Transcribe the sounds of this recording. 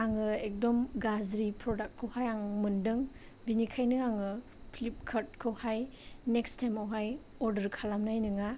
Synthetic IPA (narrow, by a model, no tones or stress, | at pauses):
aŋɯek̚dɔmɡazɾipʰɾɔdak̚kʰːɯwhajaŋmɯndɯŋ | binikʰajnɯaŋɯ | pʰlip̚kʰaɾt̚kʰɯwhajnek̚stajmawɦaj | ɔɾdɐɾkʰalamnajnɯŋa